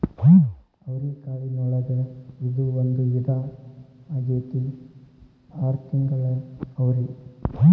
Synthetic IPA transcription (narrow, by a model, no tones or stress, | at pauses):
ɐʋɾikaːʋinɔɭɐɡ̪ɐid̪uond̪ujid̪a | ɡeːt̪i | aːɾt̪iŋɡɐɭɐɐʋɾi